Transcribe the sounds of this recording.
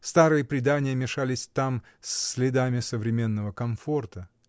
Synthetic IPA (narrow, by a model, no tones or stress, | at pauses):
st̪aɾɨjəpɾʲɪd̪anʲɪjəmʲɪʂalʲɪsʲt̪am | sʲːlʲɪd̪amʲɪsəvɾʲɪmʲe̞nːəvəkɐmfo̞rt̪ə